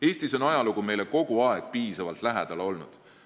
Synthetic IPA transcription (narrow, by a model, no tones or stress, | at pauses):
e̞ːsʲt̪iso̞nɑjɑluɡume̞jle̞ko̞ɡ̥uɑe̞ɡ̥̚piːsɑvɑlt̪læɦed̪̥ɑleo̞lnṵd̪̥